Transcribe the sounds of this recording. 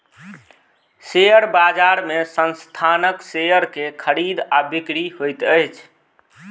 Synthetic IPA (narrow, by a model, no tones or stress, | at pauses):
sejəɾbad͡ʒaɾmesənst̪ʰanəksejəɾkekʰəɾid̪abikɾiɦojt̪əjt͡ʃʰ